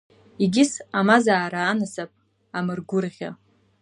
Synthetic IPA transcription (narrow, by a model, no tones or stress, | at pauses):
iɡʲɪsamazaːɾaːnɨsapʼ | amɨrɡʷʊrʁʲa̰